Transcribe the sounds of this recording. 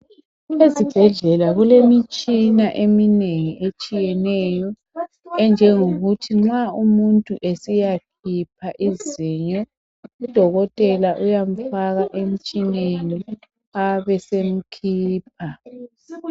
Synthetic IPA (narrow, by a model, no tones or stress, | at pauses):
ezib̥ʱɛɮɛlaɣulemit͡ʃʼinaʔemineŋiet͡ʃʼijɛnɛjɔ | ɛnd͡ʒʱɛŋoɣutʰiŋ͡ǁaumuntʼuʔesijakʰip̚ʰaʔiziɲɔ | ud̥ʱɔɣɔtʼɛlaʔujam̩faɣaʔem̩t͡ʃʼineni | aβɛsem̩kʰiːp̚ʰa